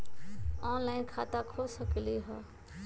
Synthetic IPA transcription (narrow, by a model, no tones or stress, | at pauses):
ɔ̃ːnlaːɪnkʰaːt̪akʰoːsəkliɦɔː